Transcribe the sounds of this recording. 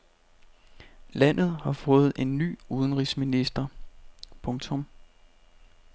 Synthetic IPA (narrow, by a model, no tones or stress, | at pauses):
læn̰ð̞̩ˠhɑ̈fɔ̽ːð̞̩ˠʔe̝nːy̰ːuð̞ˠənʁisminisd̥ɐ | pʰɔ̽ŋt͡sʰɔ̽m